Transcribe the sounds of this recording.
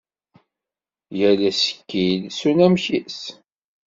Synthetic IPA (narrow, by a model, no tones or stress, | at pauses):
jælæsə̥kːilsunæmçis